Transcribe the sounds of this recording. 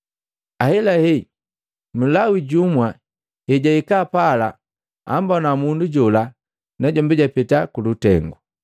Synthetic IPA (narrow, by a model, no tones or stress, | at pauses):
ahɛlahɛ | m̩lawiɟumwa | hɛɟaikapala̰ | a̰mbɔnamunduɟɔla | naɟɔmbiɟapɛtakulutɛŋɡu